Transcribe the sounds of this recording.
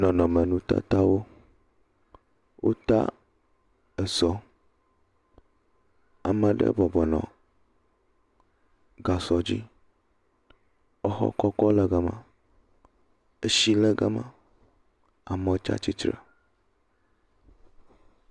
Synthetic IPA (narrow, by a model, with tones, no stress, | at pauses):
nɔ̃˨nɔ̃˨mə˨nũ˦t̪a̰˦t̪a˦wo˦ | wʔo̰˦t̪a̰˦ | ə˨zɔ˦ | a˨mə̃˨ɖə̰˦bɔ˨bɔ˨nɔ̰̃˨ | ɡa˨sɔ˨d͡ʑi˦ | ɔ˦xɔ̰˦kɔ˦kɔ˦lə˦ɡa˦mã̰˨ | e˦ʃi˦lə˦ɡa˦mã̰˨ | a˨mə̃˦o˦t͡ʃa̰˦t͡ɕi˦t͡ʃɾə̰˨